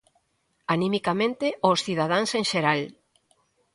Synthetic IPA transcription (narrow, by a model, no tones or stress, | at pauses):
animikamẽnt̪eʔosθiðað̞aŋseŋʃeɾal